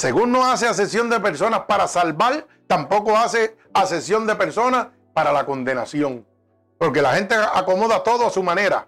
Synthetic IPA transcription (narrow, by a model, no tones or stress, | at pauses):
se̞ɣunːo̞aseas̬esjo̞nd̪epe̞ɾso̞naspaɾasalβal | t̪ampo̞ko̞ase̞ | ase̞sjo̞nd̪e̞pe̞ɾso̞nas | paɾalako̞nd̪e̞nasjo̞ŋ | po̞ɾke̞lahẽ̞nt̪eako̞mo̞ðat̪o̞ðoasumãne̞ɾa̰